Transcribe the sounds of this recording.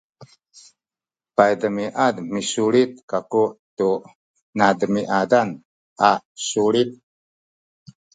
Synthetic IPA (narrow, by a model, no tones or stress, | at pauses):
pajdəmiʔadmisuɾit̪̚kakuʔtu | nadəmiʔadan | ʔasuɾit̪̚